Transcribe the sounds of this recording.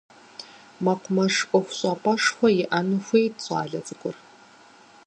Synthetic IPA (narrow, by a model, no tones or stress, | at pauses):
mɐqʷmɐʂʔʷʼɔxʷʊɕʼaːpʼɐʂxʷɐjɪʔɐnɨxʷejtt͡sʷʼa̰ːɮɐt͡sʼɨkʷʼʊr